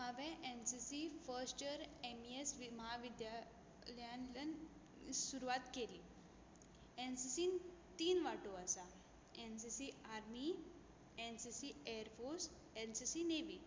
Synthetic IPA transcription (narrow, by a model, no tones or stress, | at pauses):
məʋɛ̃ʔensisifəɾsʈəɾemiesʋiməɦaʋid̪ja | ləjanlən | suɾuʋat̪keliː | ensisiːnt̪iːnʋaʈoasa | ensisiaɾmi | ensisieəɾfoɾs | ensisineʋiː